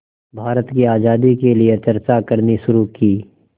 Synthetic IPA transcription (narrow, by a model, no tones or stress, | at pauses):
bʱaːɾət̪kiaːd͡ʒaːd̪ikeliet͡ʃɐɾt͡ʃakɐɾniʃʊɾukiː